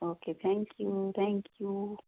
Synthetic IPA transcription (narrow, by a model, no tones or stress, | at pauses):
okʰet̪ʰɛ̃ŋkʰjut̪ʰɛ̃ŋkʰju